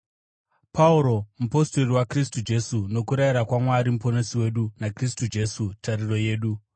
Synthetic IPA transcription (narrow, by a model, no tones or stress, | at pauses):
pʰauɾo̞mupo̞sto̞riwakristud͡ʒe̞suno̞kuɾaiɾakwamwaɾimupo̞nosiwe̞ɗunakristud͡ʒe̞sutaɾiro̞je̞ːɗu